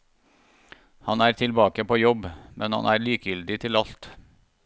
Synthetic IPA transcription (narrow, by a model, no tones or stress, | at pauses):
hɑnæːɾt̪ʰɪlbɑːkəpʰoːjɔbmʔɛnhɑ̰nʔæːɾɭiːkjʏld̪ɪt̪ʰɪlɑlt̪